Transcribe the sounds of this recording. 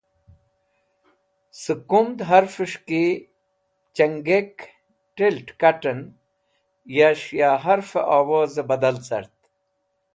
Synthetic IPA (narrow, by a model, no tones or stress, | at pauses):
sɨkumd̪ɦɐɾfəʂki | t͡ɕɐŋɡek | ʈilʈkɐʈɐn | jaʂjaːɦɐɾfḛʔaːwoːzebɐd̪ɐlt͡sɐ̰ɾt̪